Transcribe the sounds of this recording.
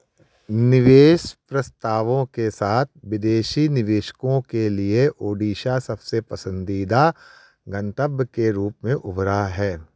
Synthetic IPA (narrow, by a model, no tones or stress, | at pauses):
nɪʋeːʃpɾɐst̪aːʋõkesaːt̪̚ʰʋɪd̪eːʃinɪʋeːʃə̥kõkelieʔoːɖiːʃasɐbsepɐsə̃nd̪iːd̪a | ɡɐ̃nt̪əbjkeɾuːpmẽʔʊbɾaɦɛː